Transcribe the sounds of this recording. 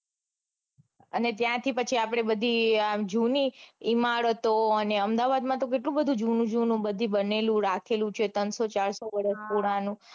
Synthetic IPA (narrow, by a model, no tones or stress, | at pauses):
ənet̪jãt̪ʰipət͡ʃʰiapɽ̃ebəd̪ʱid͡ʒuniimaɽət̪oəneəmd̪aʋad̪mãt̪ok̬eʈlũbəd̪ʱũd͡ʒunũd͡ʒunũbəd̪ʱibənelũɾakʰelũt͡ʃʰet̪ənsot͡ʃaɾsoʋəɽəspuɽanũ